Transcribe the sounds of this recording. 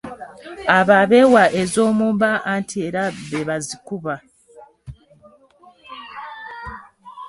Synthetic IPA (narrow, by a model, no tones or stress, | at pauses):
aβaβe̞waʔe̞zo̞ːmuːmbaʔantʰie̞ɾaβeβazikuβa